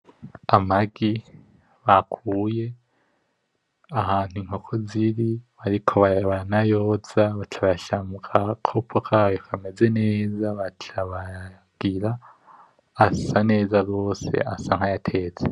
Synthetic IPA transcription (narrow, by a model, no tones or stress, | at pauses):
amaɡi | βakʰuːje̞ | ahaːn̥uiŋho̞kʰoziɾiβaɾikʰo̞βaβaanajo̞ːzaβatʰaβajaʃamukʰakʰopʰokʰajokʰame̞ze̞ne̞ːzaβatʰaβa | ɡ̥iɾa | asane̞ːzaɡo̞ːse̞̰ʔasaŋ̥hajatʰe̞ːt͡se